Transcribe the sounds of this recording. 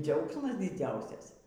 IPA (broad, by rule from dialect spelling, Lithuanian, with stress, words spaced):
ˈd͡zʲɛʊksmɐs dʲɪˈd͡zʲɛʊsʲɛs